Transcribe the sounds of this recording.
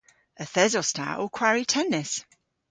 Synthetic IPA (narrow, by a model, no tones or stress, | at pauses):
əθɛzɔstʰa̰ʔokʰw̥aɹitʰɛnɪs